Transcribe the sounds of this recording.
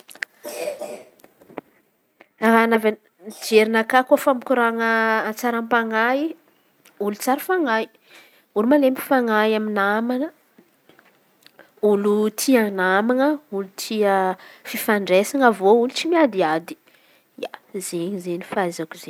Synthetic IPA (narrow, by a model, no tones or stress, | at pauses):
aɾanava | d͡ʒeɾinakakofamikʲuɾaŋəːt͡saɾampaŋai | ulut͡saɾəfaŋai | ulumalempi̥faŋajaminamanə | ulut̪ʰianamaŋəulut̪ʰiəfifaɳɖ͡ʐesaŋəvoulut͡simiad̪iad̪i̥ | azeɲizenifazakuzeɲ